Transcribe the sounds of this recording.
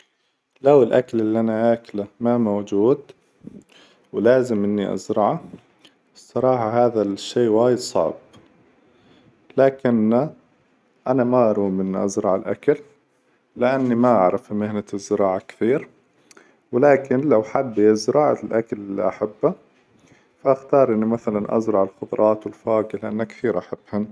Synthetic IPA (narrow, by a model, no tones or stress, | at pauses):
lawɪlʔakalɪlːiʔanaʔaːkalamamawd͡ʒuːd̪ | wlaːzɪmʔɪnːiʔɑ̰zɾɑʕa | sˤːɑɾˤɑːħɑɦaːðaʃːeːwaːjɪd̪sˤɑ̰ʕb̥ | laːkɪnːa | ʔanamaʔɑɾˤuːmʔɪnːiʔɑ̰zɾˤɑʕɪlʔa̰kalː | ɪʔanːimaʔaʕɾˤɑfmɪhnazːɪɾˤɑːʕakθiːɾ | wɪlaːkɪnlawħabːizɪɾɑːʕa̰lʔakalɪlːḭʔaħabːa | faʔaxt̪ɑːɾˤʔɪnːimaθalanʔa̰zɾˤɑʕɪlxʊt̪ˤɾˤʔɑːt̪wɪlfaːɡɪlɪʔanːakθiːɾʔaħabːhan